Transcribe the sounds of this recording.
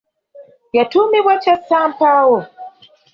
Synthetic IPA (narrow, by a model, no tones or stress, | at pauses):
jatumiβwat͡ʃasampawɔ